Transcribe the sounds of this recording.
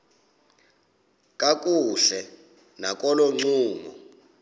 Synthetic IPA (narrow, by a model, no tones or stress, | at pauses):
kʼak̬ʼuɬɛ | nak̬ʼɔlɔŋ͡ǀuːmɔ̰